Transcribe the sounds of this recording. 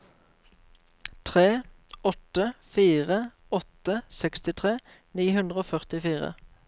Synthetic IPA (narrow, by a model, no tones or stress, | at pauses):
t̪ʰʁeːɔt̪əfiːʁə | ɔt̪əsɛkst̪ɪt̪ʰʁeː | niːhʉnd̪ʁəoːfœʁt̪ɪfiːʁə̰